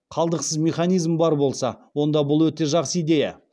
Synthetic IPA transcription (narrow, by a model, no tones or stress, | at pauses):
qʰɑlˠd̪əqsəzmʲe̞χanijzmbɑɾbo̞lˠsɑ̰wo̞nd̪ɑbʊlˠwɵt̪e̞ʒɑqsəijd̪e̞ja̰